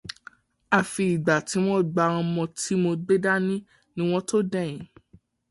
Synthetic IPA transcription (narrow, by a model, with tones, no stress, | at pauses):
a˨fi˧i˨ɡ͡ba˨ti˨˦w̃ɔ̃˦ɡ͡ba˧ɔ̃˧mɔ̃˧ti˨˦mo˧ɡ͡be˦da˦nĩ˦ | nĩ˦w̃ɔ̃˦to˦dɛ̃˦˨j̃ĩ˨˦